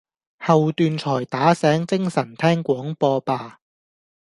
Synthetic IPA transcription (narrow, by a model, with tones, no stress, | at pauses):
hɐ˨wt̪yː˧nt͡ʃʰɔː˨˩jt̪aː˨˥sɛː˨˥ŋt͡sɪ˥ŋsɐ˨˩nt̪ʰɛː˥ŋkʷɔː˨˥ŋpɔː˧paː˧